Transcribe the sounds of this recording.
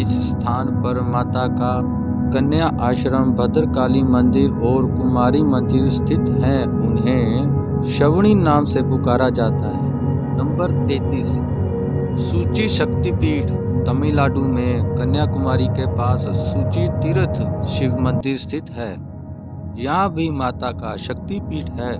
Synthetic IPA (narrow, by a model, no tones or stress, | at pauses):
ɪsst̪ʰaːnpəɾmaːt̪aka | kɐnjaʔaːʃɾəmbʱəd̪əɾkaːlimə̃nd̪ɪɾɔːɾkʊmaːɾimə̃nd̪ɪɾst̪ʰɪt̪ɦɛ | ʊnɦẽ | ʃəʋɽ̃inaːmsepʊkaːɾad͡ʒaːt̪aɦɛː | nə̃mbəɾt̪eːt̪iːs | suːt͡ʃiʃəkt̪ipiːʈʰ | t̪ɐmilaːɖũmẽkɐnjakʊmaːɾikepaːsːuːt͡ʃit̪ɪɾət̪ʰʃɪʋmə̃nd̪ɪɾst̪ʰɪt̪ɦɛː | jɐɦãbʱimaːt̪akaʃɐk̚t̪ipiːʈʰɦɛː